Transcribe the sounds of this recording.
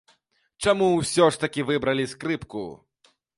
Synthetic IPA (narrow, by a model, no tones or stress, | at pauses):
t͡ʂamuwsʲɔʂt̪ɐkʲivɨbɾɐlʲiskɾɨpkṵ